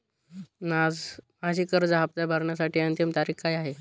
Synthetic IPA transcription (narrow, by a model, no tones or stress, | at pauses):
nad͡z | mad͡ʑiːkəɾd͡zɦap̚t̪jabʱaɾɳjasaʈʰiːənt̪jimt̪aɾiːkkajaɦe